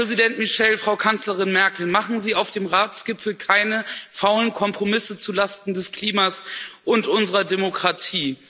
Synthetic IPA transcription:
ʁ̥ɛzidɛntmiʃɛlfʁ̥aʊkʰant͡sləʁɪnmɛɐkl̩maχn̩ziːaʊfd̥eːmʁaːt͡sɡ̥ɪpp͡fl̩kʰaɪnəfaʊlənkʰɔmpʁ̥omɪsət͡sulastn̩dɛskl̥iːmaːsʔʊntʔʊnzəʁɐdemokʁ̥atʰiː

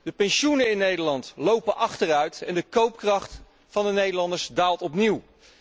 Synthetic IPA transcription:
d̥əpɛnʃunəɪnːejdəɹlɑntlowpənʔɑχtərœɥtɛ̰ndəkowp̚krɑχt | fɑndənejdəlɑndəɹsdaːlˠtɔpniw

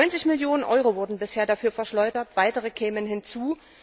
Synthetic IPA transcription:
ɔʏnt͡sɪçmɪljoːnənʔɔʏʁovʊɐdn̩bɪsheːɐdafyːɐfɛɐʃlɔʏdɐtv̥aɪtəʁəkʰɛːmənɦɪnt͡suː

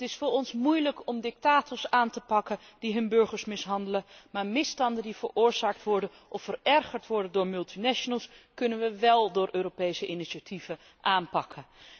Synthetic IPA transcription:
tɪsfʊːɾɔnsmujləkɔmdɪk̚taːtɔɹsaːntəpɑkə | d̥iɦɵnbɵɹχəɹsmɪsɦɑndələmaːɹmɪstɑndəndiv̥əɹʊːɹzaːk̚tʋɔɹdən | ʔɔfːərɛrχəɹtʋɔɹdəndʊːɹmɵlˠtinaʃonəlˠskɵnənʋəʋɛlˠdʊːɹʔøːɾopejsəʔɪniʃatʰivə | ʔaːnpɑkʰən

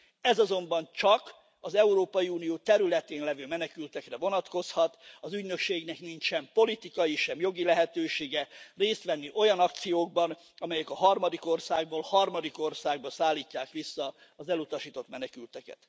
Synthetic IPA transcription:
ɛzɒzo̞mbɒnt͡ʃɒk | ɒzɛuɾoːpɒjiuːnijoːt̪ɛɾylɛt̪eːnlɛvøːmɛnɛkylt̪ɛkrɛvo̞nɒt̪ko̞shɒt̪ɒzyɟnø̞kʃeːɡnɛknint͡ʃʃɛmpo̞lit̪ikɒjiʃɛmjo̞ɡilɛɦɛt̪øːʃeːɡɛreːst̪ʋɛnːiʔo̞jɒnɒk̚t̪sijoːɡ̚bɒn | ɒmɛjɛkɒɦɒrmɒd̪iko̞rsaːɡ̚boːlhɒrmɒd̪iko̞rsaːɡbɒsaːlːiːcːaːkʋisːɒː | zɛlut̪ɒʃiːt̪o̞t̪mɛnɛkylt̪ɛkɛ̰t̪

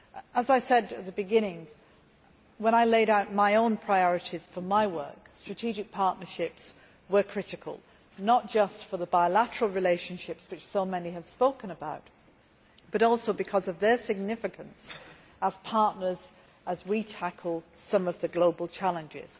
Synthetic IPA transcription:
ʔəzaɪsɛdɨt̪̚ðəbɨɡɪ̃nɪ̃ŋ | wə̃ɾ̃aɪleɪɾaʊt̚maɪõʊ̃npʰɹ̥aɪɔɹɨɾiz̥fə˞maɪwɜ̰˞kstɹ̥ɨtʰid͡ʒɪk̚pʰɑɹʔⁿnə˞ʃɪps | wə˞kʰɹ̥ɪɾɨkʰə̰lˠ | nət̚d̥ʒ̥ʌstfə˞ðəbaɪlæɾə˞əlˠɹɪleɪʃɨ̃nʃɪpswɨt͡ʃsoʊmɛniɨv̥spoʊkə̃nəbaʊt̚ | b̥ʌɾɔlˠsoʊbɨkʰʌzʌvðə˞sɪɡ̚nɪfɨkə̃ns | əz̥pʰɑɹˑʔⁿnə˞z | əzwitʰakʰl̩ˠsʌ̃mʌvðɨɡloʊbəl̩ˠt͡ʃʰalˠə̃nd͡ʒɪ̰z̥

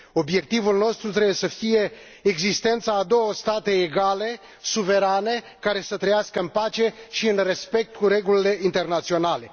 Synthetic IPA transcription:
o̞bje̞k̚t̪ivulno̞st̪ɾut̪ɾe̞bujesəfije̞ː | ɡzist̪e̞nt̪saːd̪o̞wəst̪at̪e̞ːɡale̞ | suve̞ɾane̞ | kaɾe̞sət̪ɾəjaskəɨnpat͡ʃe̞ʃiɨnre̞spe̞k̚t̪̚kuɾe̞ɡulile̞ʔint̪e̞rnat̪sio̞nale̞

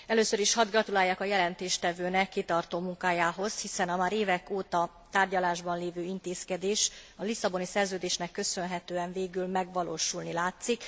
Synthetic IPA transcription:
ɛløːsøɾiʃhɒd̪ɡrɒt̪ulaːjːaːkɒjɛlɛnt̪eːʃt̪ɛvøːnɛkːit̪ɒrt̪oːmuŋkaːjaːɦo̞zhisɛnɒmaːɾeːvɛkoːt̪ɒ | t̪aːrɟɒlaːʒbɒnleːvøːint̪eːskɛd̪eːʃɒlisːɒbo̞nisɛrzøːd̪eːʃnɛkːø̞sø̞nɦɛt̪øːɛɱveːɡylmɛɡʋɒloːʃulnilaːt̪sik

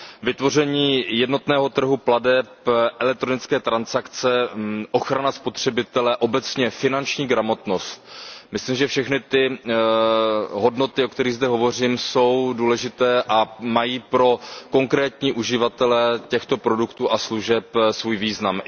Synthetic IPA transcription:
vɪt̪vo̞r̝ɛɲiːjɛdno̞t̪nɛːɦo̞t̪r̩ɦupladɛpʔɛlɛk̚t̪ɾonɪt͡skɛːt̪ɾansakt͡sɛʔo̞xɾanaspo̞t̪r̝̥ɛbɪt̪ɛlɛʔo̞bɛt͡sɲɛfɪnant͡ʃɲiːɡɾamo̞t̪no̞st̪̚mɪsliːmʒɛfʃɛxnɪt̪ɪ | ɦo̞dno̞t̪ɪok̚t̪ɛɾɪɣzdɛɦo̞vo̞r̝iːmso̞wduːlɛʒɪt̪ɛːʔamajiːpɾo̞ko̞ŋkɾɛːt̪ɲiːʔuʒɪvat̪ɛlɛcɛxt̪o̞pɾo̞dukt̪uːʔasluʒɛpsvuːjviːznam

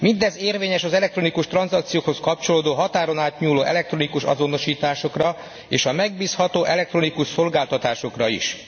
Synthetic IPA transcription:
mind̪ɛzeːrveːɲɛʃɒzɛlɛkt̪ro̞nikuʃt̪ɾrɒnzɒkt̪sijoːkho̞skɒp̚t͡ʃo̞loːd̪oːɦɒt̪aːɾo̞naːt̪ɲuːloːʔɛ̰lɛk̚t̪ro̞nikuʃɒ̰zo̞no̞ʃiːt̪aːʃo̞krɒ | eːʃɒmɛɡ̚biːshɒt̪oːʔɛlɛk̚t̪ro̞nikuʃso̞lɡaːlt̪ɒt̪aːʃo̞krɒḭʃ

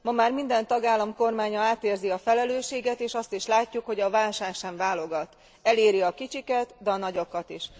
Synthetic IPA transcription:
mɒmaːrmind̪ɛnt̪ɒɡaːlːɒmko̞rmaːɲɒaːt̪eːrziɒfɛlɛløːʃeːɡɛt̪eːʃɒst̪iʃlaːcːukho̞ɟɒvaːlʃaːkʃɛɱvaːlo̞ɡɒt̪ | ɛleːɾiɒkit͡ʃikɛt̪d̪ɛɒnɒɟo̞kɒt̪iʃ

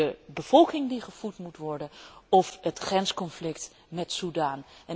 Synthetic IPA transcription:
əbəv̥ɔlˠkɪŋdiχəv̥utmutʋɔɹdənɔfɦətχrɛnskɔnflɪkt | mɛtsudaːnɛ

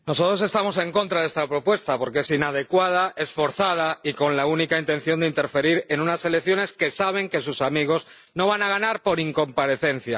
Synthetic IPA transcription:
no̞sot̪ɾo̞s̬e̞st̪amo̞s̬e̞ŋko̞nt̪ɾaðe̞st̪apɾo̞pwe̞st̪apo̞ɾkee̞sinað̞e̞kwað̞aʔesfo̞ɾθað̞aiko̞nlaunikaint̪e̞n̟θjo̞nd̪eint̪e̞ɾfe̞ɾiɾe̞nũnase̞lekθjo̞ne̞ske̞saβ̞e̞ŋke̞susamiɣ̞o̞z | no̞β̞anaɣ̞anaɾpo̞ɾiŋko̞mpaɾe̞θe̞n̟θja

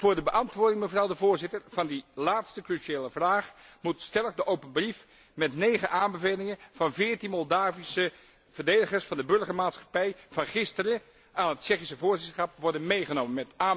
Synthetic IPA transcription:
vʊːɹdəbəʔɑntʋʊːɹdɪŋməvrɑwdəvʊːɹzɪtərvɑndilaːtstəkryʃieːləvraːχmutstɛlˠəkdəʔowpənbrif | mɛtnejχənʔaːmbəvejlɪŋənv̥ɑnvɪːɹtinmɔlˠdaːvisə | v̥ərdejdəχərsfɑndəbɵɹχəɹmaːtsχɑ̥pɛjv̥ɑnχɪstərə | aːnɦətt͡ʃɛχisəvʊːɹzɪtχɑpʋɔɹdənmejχənowmənmɛtaː

